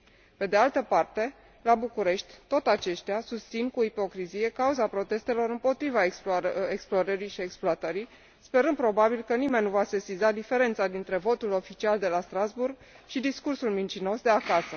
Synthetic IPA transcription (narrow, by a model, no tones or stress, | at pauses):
pe̞d̪e̞alt̪əpart̪e̞ | labukuɾe̞ʃt̪ʲt̪ot̪at͡ʃe̞ʃt̪easust̪sinkuipo̞kɾizije̞kauzapɾo̞t̪e̞st̪e̞lo̞ɾɨmpo̞t̪ɾivaeksploɾəɾiʃie̞ksploat̪əɾij | spe̞ɾɨnd̪pɾo̞babilkənime̞nʲːuvasesizad̪ife̞ɾe̞nt̪sad̪int̪ɾe̞vo̞t̪ulo̞fit͡ʃiald̪e̞last̪ɾazburɡ̚ | ʃid̪iskursulmint͡ʃino̞sd̪eakasə